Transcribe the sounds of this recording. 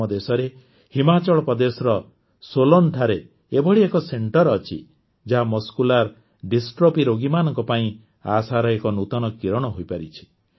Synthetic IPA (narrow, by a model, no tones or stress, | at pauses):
ɔd̪esɔɾe | himat͡ʃɔɭɔpɔd̪esɾɔ | solonʈʰaɾe | ebɔɽiekɔseɳʈɔɾɔt͡ʃʰḭ | d͡ʒaɦamɔskulaɾ | ɖisʈɾopiɾoɡimanɔŋkɔpaĩ | asaɾɔekɔnut̪ɔnɔkiɾɔɽ̃ɔɦojpaɾit͡ʃʰi̥